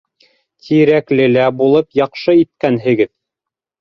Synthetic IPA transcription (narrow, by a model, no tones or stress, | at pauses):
t̪ʰiɾæklɘ̆læbulˠɤpjɑqʃɤit̪̚kænɦɘ̆ɡɘð